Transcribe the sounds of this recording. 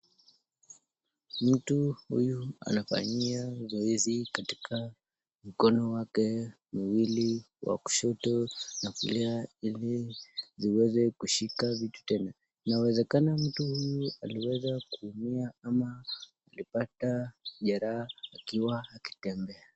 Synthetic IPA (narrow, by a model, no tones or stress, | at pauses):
m̩tuhṵjua̰nafa̰ɲiazɔizikati̥kʰa | m̩kɔnɔwakɛ | miwili | wa̰ku̥ʃɔtɔnafuliailiziwɛzɛkuʃikavitu̥tɛna | nawɛzɛkanam̩tuhujua̰liwɛzakuːmiaamaː | lipataʄaɾaːkiwaːki̥tɛmbɛa